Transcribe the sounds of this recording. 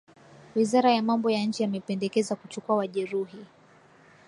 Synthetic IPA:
wizaɾajamambɔjaɲ̩t͡ʃijamɛpɛndɛkɛzakut͡ʃukuawaʄɛɾuɦi

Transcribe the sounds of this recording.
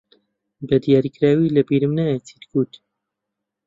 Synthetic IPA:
bəd̪ijaːɾiːkɾaːwiːlɐbiɾɨmnajat͡sʰiːt̪kuːt̪

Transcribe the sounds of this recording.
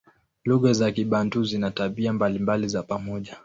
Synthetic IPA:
luɣazakiɓanduzinataɓiambalimbalizapamɔʄa

